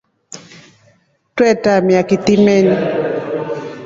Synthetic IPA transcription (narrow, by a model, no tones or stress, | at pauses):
twɛtamjakit̪imeni